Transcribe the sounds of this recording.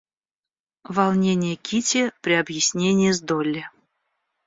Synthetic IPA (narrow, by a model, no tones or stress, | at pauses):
vɑlˠnʲenʲɪjəkʲitʲepɾʲɪabjɪsʲnʲenʲɪjəzd̪olʲːɪ